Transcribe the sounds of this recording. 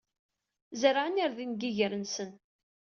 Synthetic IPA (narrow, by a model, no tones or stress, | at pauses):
zəɾʕəniɾðinɡiʝəɾənsən